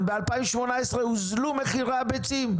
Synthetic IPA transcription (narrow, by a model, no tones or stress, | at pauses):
bealpaimʃmonaesʁeuzlumeχiʁabet͡sim